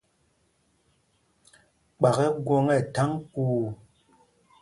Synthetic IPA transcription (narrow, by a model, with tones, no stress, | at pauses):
k͡pa˨ɣɛ˦ɡwɔ˦ŋɛ˦˨ta˦ŋkuː˦˨